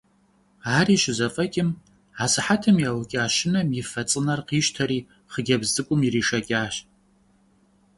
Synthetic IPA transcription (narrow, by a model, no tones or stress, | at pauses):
aːriʃɪzafʼɐkʲʼɪm | asɨħatʰɨmjawakʲʼɪaʃɪnamifɐt͡sʼɨnarqʰiʃtʰaɾiː | χəɡʲabzɨkʷʼʊmiriʂakʲʼaːʃʼ